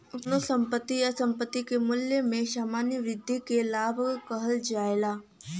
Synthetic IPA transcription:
ʊpnosə̃mpət̪ːijasɐ̃mpət̪ːikemʊljəmẽʃaːmaːnjəʋɾɪd̪ʱːikelaːbʱkɐɦəld͡ʒaːelaː

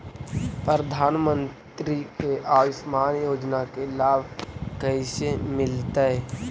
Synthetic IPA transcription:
pɾɾəd̪ʱaːnmə̃nt̪ɾikeʔaːʋɪsmaːnjoːd͡ʒnakelaːbʱkəɪsemɪlt̪aɛ

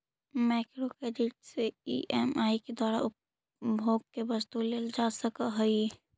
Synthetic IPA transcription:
mɛːkɾokeːd͡ʒɪʈseḭʔɛmaːiked̪waːɾa̰ʊp | bʱoːɡ̚kebəst̪uleld͡ʒasəkaɦəi

